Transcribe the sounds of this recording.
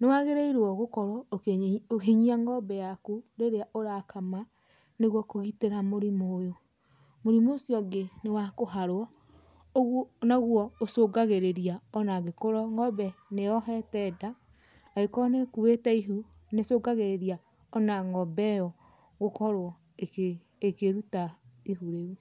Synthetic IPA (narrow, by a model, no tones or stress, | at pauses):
newaɣeɾeiɾɔɣokɔɾwɔ | okeɲiaŋɡɔbɛjakuɾeɾeaʔoɾakama | neɣwɔkoɣiteɾamoɾimoːjo | moɾimosiɔɡenewakoɦaɾɔ | oɣɔnaɣwɔosoɡaɣeɾeɾiaɔnaɡekoɾɔŋɡɔbɛneɔɦɛtɛdaː | ɣekɔnekuwetaiɦu | nesoːɡaɣeɾeɾia | ɔnaŋɔbɛjɔ | ɣokɔɾwɔ | ek | ekeɾutaiɦuɾeɣu